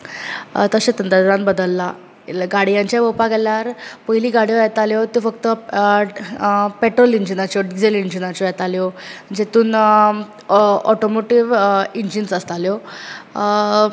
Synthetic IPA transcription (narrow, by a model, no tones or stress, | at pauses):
t̪əɕẽt̪ənt̪ad̪ɾãnbəd̪əlːa | ɡaɽijãɲt͡ɕjabopaɡʱɛljaɾpəɦiliːɡaɽijɔjɛt̪aljot̪jofəkt̪ə | pɛʈɾoliɲd͡ʑinat͡ɕjɔɖid͡zeliɲd͡ʑinat͡ɕɔjɛt̪aljoməd͡ʑet̪uːn | ɔʈomoʈiʋiɲd͡ʑinsəst̪aljo